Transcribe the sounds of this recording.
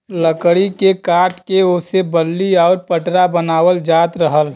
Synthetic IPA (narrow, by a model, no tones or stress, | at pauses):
ləkɽikekaːʈkeosebəlːiɔːɾpəʈɾabənaːwəld͡ʒaːt̪ɾəɦəl